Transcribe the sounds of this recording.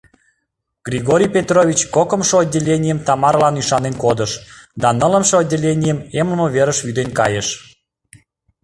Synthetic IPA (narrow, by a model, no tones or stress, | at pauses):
ɡrʲiɣoɾʲijpʲet̪rovʲit͡ɕkokəmʃoodʲːelʲenʲijəmt̪ɑmɑɾlɑnyʃɑnenkod̪əʃd̪ɑnələmʃood̪̚ʲdʲelʲenʲijəmemləmoβeɾəʃvyd̪enkɑ̰jəʃ